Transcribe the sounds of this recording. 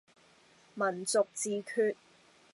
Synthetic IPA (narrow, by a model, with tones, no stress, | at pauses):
mɐ˨˩nt͡sʊ˨k̚t͡siː˨kʰyː˧t̚